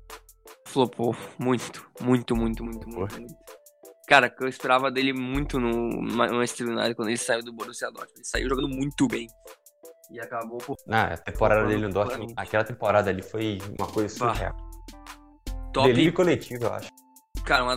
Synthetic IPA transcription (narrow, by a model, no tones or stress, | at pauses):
falopʰomũj̃t̪ʊ̥mũj̃t̪ʊmũj̃t̪ʊmũj̃t̪ʊmũt̪mũj̃t̪ʊ̥ | kaɾɐkewispeɾavɐd̪elɪmũj̃t̪ʊnʊmãmajst̪ɾiuna̰d̪ʊkwɐ̃d̪ʊelɪsaiwd̪ʊboɾʊsiad̪ɔ̰t͡ʃielɪsaḭwʒoɡɐ̃d̪ʊmũj̃t̪ʊbẽj̃ | ɪakaboponɐ̃ɛ̰ɐ̰t̪ẽmpoɾad̪ɐd̪elɪnũd̪ɔʃakɛlɐt̪ẽpoɾad̪ɐalifojṵ̃mɐkojzɐsuhɛ̰t̪ | t̪ɔd̪eliikolet͡ʃivɐewa̰ʃʊ̥ | kaɾɐũmɐ